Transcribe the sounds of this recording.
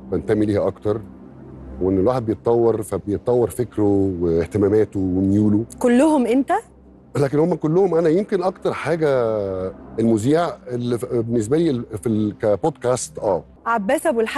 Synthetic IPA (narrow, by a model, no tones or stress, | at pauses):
fænt̪æmːiliːhæʔɑkt̪ɑɾˤ | wʔenːelwaːħed̪̚bejet̪ˤːɑwːeɾˤfæbejet̪ˤːɑwːeɾˤfekɾoweht̪emæmæːt̪owemjuːlokolːohomʔent̪æ | læːk̬enhomːækolːohomʔænæjemkenʔɑkt̪ɑɾˤħaːɡæ | elmuziːʕelːibenːes̬bæliːfilkæpod̪kæːst̪ʔæː | ʕabːæːsæbwelħ